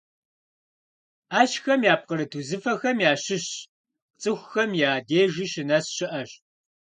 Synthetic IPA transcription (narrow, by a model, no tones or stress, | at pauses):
aːʃxɐmjaːp̚qəɾɨtʰuːzɨfɐxɐmjaːɕɪɕ | t͡sʼɨxʷxɐmjaːdeːʒiʃɪnɐsɕɪʔɐɕ